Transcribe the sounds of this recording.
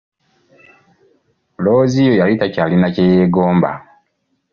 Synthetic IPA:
loːzijojalitacaːlinacejeɡoːmba̰

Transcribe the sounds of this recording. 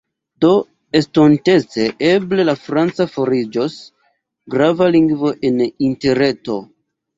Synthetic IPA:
do̞ | estonte̞t͡se̞ʔeble̞lafɾant͡safo̞ɾid͡ʒos | ɡɾavaliŋɡvo̞ʔeninteɾe̞to̞̰

